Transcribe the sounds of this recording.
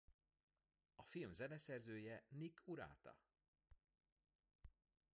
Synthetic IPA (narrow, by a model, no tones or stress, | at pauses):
ɒfilmzɛnɛsɛrzøːjɛnikʰuɾa̰ːt̪ɒ̰